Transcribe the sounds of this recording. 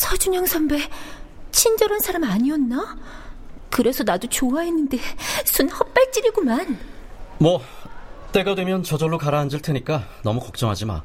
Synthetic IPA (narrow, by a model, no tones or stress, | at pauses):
sʰʌd͡ʑuɲʌŋsʰʌmbe̞t͡ɕʰind͡ʑʌɾansʰaɾamaɲiʌnːa | kɯɾe̞sʰʌnadot͡ɕoaɦenːɯnde̞sʰunhʌp̚p͈aɭt͡ɕ͈iɾiɡomanmwʌ | t͈e̞ɡadwe̞mjʌnt͡ɕʌd͡ʑʌɭːokaɾaɦːnd͡ʑɯɭtʰɯɲik͈anʌmukʌk̚t͡ɕ͈ʌŋɦad͡ʑima̰